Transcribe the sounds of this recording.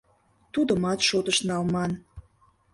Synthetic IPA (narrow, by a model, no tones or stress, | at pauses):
t̪ud̪əmɑt̪ʃot̪əʃnɑlmɑn